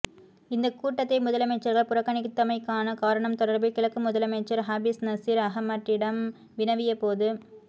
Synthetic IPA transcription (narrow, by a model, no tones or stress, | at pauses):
ɪnd̪ɐkːuːʈːɐt̪ːɐɪmʊðɐlɐmɐɪt͡ʃːɐɾɣɐɭpʊɾɐkːɐnɪkt̪ːɐmɐɪkːaːnɐkaːɾɐɳɐmt̪ɔɽɐɾbɯkːɪɭɐkːɯmʊðɐlɐmɐɪt͡ʃːɐɾɦaːbɪsnɐsiːɾɐɦɐmːɐʈrɪɽɐm | ʋɪnɐʋɪjɐpoːðɯ